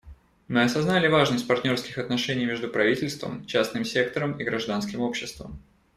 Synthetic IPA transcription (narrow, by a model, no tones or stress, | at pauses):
mɨɐsɐznalʲɪvaʐnɨmʲt̚ʲpɐrtʲnʲo̞rskʲɪxɐt̪nɐʂɛnʲɪjmʲe̞ʐd̪ʊpɾɐvʲitʲɪlʲst̪və̰mt͡ɕasnɨmsʲe̞k̚t̪əɾəmiɡɾɐʐd̪anskʲɪmo̞pɕːɪst̪və̰m